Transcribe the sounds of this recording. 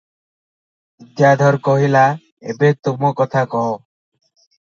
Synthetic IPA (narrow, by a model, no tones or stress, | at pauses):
id̪jad̪ʱɔɾkɔɦila | ḛbet̪omɔkɔt̪ʰakɔɦo